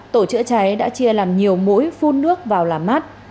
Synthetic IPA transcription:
t̪o˧˩t͡ɕɨ̰˧˥ət͡ɕa˨˦jɗa̰ː˧˥t͡ɕi˧əlaː˨˩mɲi˨˩əwmṵ˧˥jfu˧nːɨ˦˥ək̚vaː˨˩wlaː˨˩mːa˦˥t̚

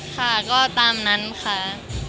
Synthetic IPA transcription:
kʰa˥˩kɔː˥˩t̪aː˧mna˦˥nkʰa˦˥˩ʔ

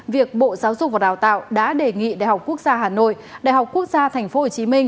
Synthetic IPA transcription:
vi˨˩ək̚ɓo̰˧˨zaː˨˦wzʊ˨˩k͡p̚va˨˩ɗaː˧˨˩wt̪a̰ː˧˨wɗa̰ː˧˥ɗe˨˩ŋḭ˧˨ɗa̰ː˧˨jɦa˨˩k͡pku˦˥ək̚zaː˧ɦaː˨˩no̰˧˨j | ɗa̰ː˧˨jɦa˨˩k͡pku˦˥ək̚zaː˧t̪ʰɛ˨˩ŋ̟fo˨˦ho˨˩t͡ɕi˨˦mï˧ŋ̟

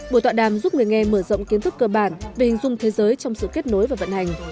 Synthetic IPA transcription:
ɓo˧˩jt̪wa̰ː˧˨ɗaː˨˩mzu˦˥p̚ŋɨ˨˩əjŋɛ˧məː˧˩zə̰˧˨wŋ͡mki˨˦t̪ɨ˦˥k̚ːəː˧ɓaː˧˩nve˨˩hï˨˩ŋ̟zʊ˧ŋ͡mt̪ʰe˨˦zəː˨˦jt͡ɕɔ˧wŋ͡msɨ̰˧˨ke˦˥t̚no˨˦jvaː˨˩və̰˧˨nha˨˩jŋ̟

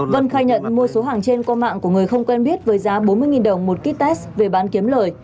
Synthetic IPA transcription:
və˧nxaː˧jɲə̰˧˨nmu˧əso˨˦ɦaː˨˩ŋt͡ɕe˧nkɔ˧ma̰ː˧˨ŋku˧˩əŋɨ˨˩əjxə˧wŋ͡mkwɛ˧nɓi˦˥ət̚vəː˨˦jzaː˨˦ɓo˨˦nmɨ˧əjŋi˨˩nɗə˨˩wŋ͡mmo˨˩t̚ki˦˥k̚t̪ɛ˦˥sve˨˩ɓaː˨˦nki˨˦əmləː˨˩j

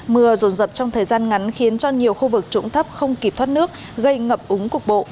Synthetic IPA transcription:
mɨ˨˩əzo˨˩nzə˨˩p̚t͡ɕɔ˧ŋ͡mt̪ʰəː˨˩jzaː˧nŋa˨˦nxi˨˦ənt͡ɕɔ˧ɲi˨˩əwxu˧vɨ˨˩k̚t͡ɕʊ̰˧˥ŋ͡mt̪ʰə˦˥p̚xə˧wŋ͡mki˨˩p̚t̪ʰaː˦˥t̚nɨ˦˥ək̚ | ɣə˧jŋə˨˩p̚ʔʊ˨˦ŋ͡mkʊ˨˩k̚ɓo̰˧˨ʔ

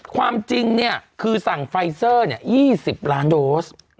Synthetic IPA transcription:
kʰwaː˧mt͡ɕi˧ŋni˥˩ɐkʰɯː˧sa˨˩ŋfa˧jsɤː˥˩ni˥˩ɐjiː˥˩si˨˩p̚laː˦˥ndoː˦˥s

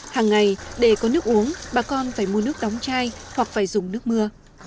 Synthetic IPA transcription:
haː˨˩ŋːa˨˩jɗe˧˩kɔ˨˦nɨ˦˥ək̚ʔu˨˦əŋɓaː˨˩kɔ˧nfaː˧˩jmu˧ənɨ˦˥ək̚ɗɔ˨˦wŋ͡mt͡ɕaː˧jhwa˨˩k̚faː˧˩jzʊ˨˩ŋ͡mnɨ˦˥ək̚mɨ˧ə

